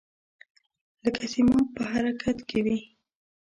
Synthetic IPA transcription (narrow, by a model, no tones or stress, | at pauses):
ləkʰasimɑpəɦaɾakʰat̪kʰewi